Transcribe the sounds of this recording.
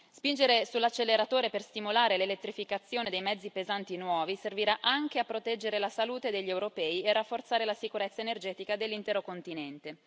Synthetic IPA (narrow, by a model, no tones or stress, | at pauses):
spind͡ʒeɾesulːat͡ʃːelːeɾat̪oːɾeperst̪imulaːɾelelet̪ːɾifikat̪sːjoːned̪ejmɛd̪zːipezant̪inwɔːviserviɾaʔaŋk̟eapːɾot̪ɛd͡ʒːeɾelasaluːt̪ed̪eʎːewɾopɛːierːafːort̪saːɾelasikuɾet̪sːaenerd͡ʒɛːt̪ikad̪elːint̪ɛːɾokont̪inɛnt̪e